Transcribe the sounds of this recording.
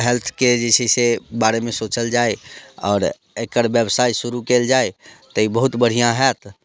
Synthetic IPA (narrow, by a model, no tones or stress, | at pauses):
ɦɛlt̪ʰked͡ʒɛsɛsebaɾemẽsot͡ʃəld͡ʒaːeɔ̰ːɾ | ekəɾbjəbsaːisuɾukeld͡ʒaet̪əibəɦut̪bəɽ̤ijãɦɛt̪